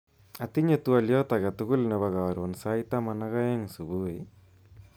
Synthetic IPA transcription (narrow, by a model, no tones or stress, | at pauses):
ɐt̪iɲɐt̪uɐljoːt̪ɐɣɐt̪ukulnɐbɐɣaːɾonsaːjit̪amɐnɐɣɐjɐŋsubuʋe